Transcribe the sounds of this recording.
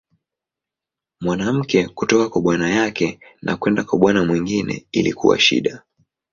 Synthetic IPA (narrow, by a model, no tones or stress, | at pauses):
mwanam̩kɛkutɔkakwaɓwanajakɛnʔa̰kwɛndakwaɓwanamwiŋɡinɛ̰ilḭkṵwa̰ʃḭɗa